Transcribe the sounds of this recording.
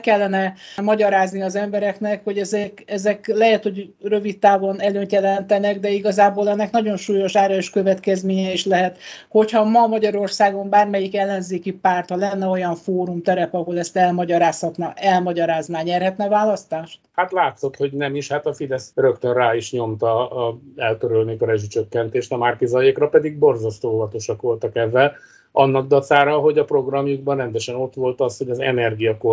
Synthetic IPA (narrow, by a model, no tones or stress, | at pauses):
kɛlːɛnɛmɒɟɒɾaːzniɒzɛmbɛɾɛknɛkho̞ɟɛzɛkɛzɛklɛɦɛt̪ho̞ɟrø̞vit̪t̪ːaːvonɛløːnt̪jɛlɛnt̪ɛnɛɡd̪ɛiɡɒzaːboːlɛnːɛknɒɟo̞nʃuːjo̞ʃaːɾɒeʃkø̞vɛt̪kɛzmeːɲɛiʃlɛɦɛt̪ho̞chɒmɒmɒɟɒɾo̞rsaːɡo̞mbaːrmɛjikɛlːɛnzeːkipaːrt̪hɒlɛnːɛo̞jɒɱfoːɾumt̪ɛɾɛpɒɦo̞lɛst̪ɛlmɒɟɒɾaːshɒt̪nɒʔɛlmɒɟɒɾaːznaːɲɛrhɛt̪nɛvaːlɒst̪aːʃt̪hat̪laːt̪so̞t̪ho̞ɟnɛmiʃhaːt̪ɒfid̪ɛsrøkt̪ønraːiʃɲo̞mt̪ɒ | ɛlk̪øɾølneːkɒɾɛʒyt͡ʃøkːɛnt̪eːʃt̪ɒmaːrkizɒjekrɒpɛd̪iɡ̚bo̞rzɒst̪oːovɒt̪o̞ʃɒkʋo̞lt̪ɒkɛvːɛl | ɒnːɒɡ̚d̪ɒt̪saːɾɒɦo̞ɟɒpro̞ɡrɒmjuɡ̚bɒnrɛnd̪ɛʃɛno̞t̪ʋo̞lt̪ɒsho̞ɟɒzɛ̰nɛrɡijɒko